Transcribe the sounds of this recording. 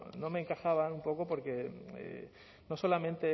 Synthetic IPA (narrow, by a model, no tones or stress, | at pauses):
no̞meːŋkaxaβanumpo̞kopo̞ɾke̞ḛ | no̞so̞lamẽnt̪e̞